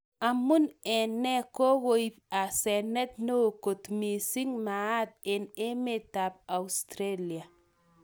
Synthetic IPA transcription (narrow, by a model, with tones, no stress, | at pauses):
a˨mu˦nɛ˨nɛ˦ko˦ɣo˦i˦pa˨sɛ˨nɛ˦t̪̚no˦˨ko˨t̪mi˨si˦ŋma˨a˦d̪̚ɪ˨nɪ˦mɪ˦ta˨p̚a˨ust̪ɾe˦lia˨